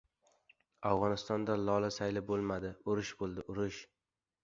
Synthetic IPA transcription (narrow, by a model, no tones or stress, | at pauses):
awʁɒnɪst̪ɒnd̪alɒlˠasajlɪbolˠmad̪ɪʊɾɪʃbolˠd̪ɪʔʊɾɪʃ